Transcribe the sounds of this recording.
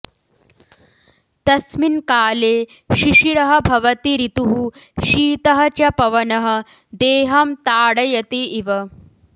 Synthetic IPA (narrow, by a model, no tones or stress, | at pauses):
t̪ɐsminkaːleːʃiʃiɽɐɦɐ̆bʱɐʋɐt̪iɾit̪uɦuʃiːt̪ɐɦɐt͡ʃɐpɐʋɐnɐɦɐ̆ | d̪eːɦɐmt̪aːɽɐjɐt̪iiʋɐ